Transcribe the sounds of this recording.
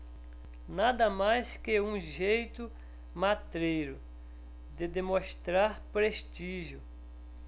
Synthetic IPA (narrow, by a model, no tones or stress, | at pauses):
nad̪ɐmajskɪũʒejt̪ʊ | mat̪ɾejɾʊ | d̪ɪd̪emõst̪ɾaɾpɾeʃt̪iʒjʊ